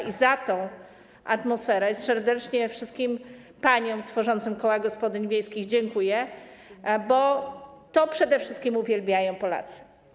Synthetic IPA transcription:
izat̪ɔ̃w̃ | ʔat̪mɔsfɛɾɛsɛɾd̪ɛt͡ʂɲɛfʂɘst̪̚kʲim | paɲɔ̃w̃t̪fɔʐɔnt̪sɨmkɔwaɡɔspɔd̪ɘɲvʲjejskʲixd͡ʑɛŋkujɛ | bɔt̪ɔpʂɛd̪ɛfʂɘst̪kʲimuvʲjɛlbʲjajɔ̃w̃pɔla̰t̪sɨ̥

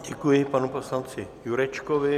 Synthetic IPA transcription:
ɟɛkujɪpanuposlant͡sɪjuɾɛt͡ʃkovɪ

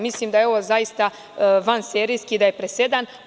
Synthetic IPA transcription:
mislimd̪ajeo̞ʋozajist̪a | ʋanseːɾijskid̪ajepɾese̞d̪an

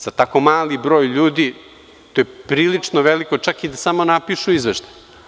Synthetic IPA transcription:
z̥at̪ako̞maːlibɾo̞ːjʎuːd̪i | t̪ojepɾiːlit͡ʂnoʋelikot͡ʃakid̪asamo̞napiʃuizʋeʃt̪aj

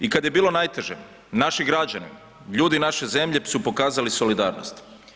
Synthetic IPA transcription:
ikad̪je̞biːlˠo̞najt̪e̞ʒe | naʃiɡɾad͡ʒanḭ | ʎuːd̪inaʃe̞ze̞mʎe̞supo̞kaːzaliso̞lid̪aːɾno̰st̪

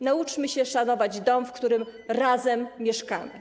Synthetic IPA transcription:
naut͡ʂmɘɕɛʂanɔvad͡ʑd̪ɔmfkt̪uɾɘmɾazɛmːjɛʂka̰mɘ̰

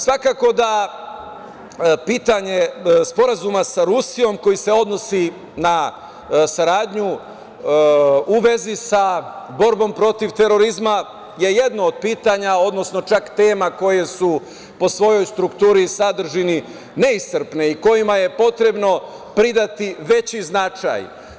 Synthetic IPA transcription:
sʋakaːko̞d̪a | piːt̪aɲe̞spo̞ɾazumasaɾusijo̞mko̞jise̞o̞d̪no̞si | na | saɾaːd̪ɲu | uʋe̞zisabo̞ɾbo̞mpɾo̞t̪iʋt̪e̞ɾo̞ɾizma | je̞jed̪noːd̪̚piːt̪aɲao̞d̪nosno̞t͡ʃakt̪eːmako̞je̞su | po̞sʋo̞jo̞jst̪ɾukt̪uːɾisad̪r̩ʒini | ne̞ist̪r̩pne̞iko̞jimaje̞po̞t̪ɾe̞bno̞ | pɾid̪at̪iʋe̞t͡ɕiznat͡ʃa̰j

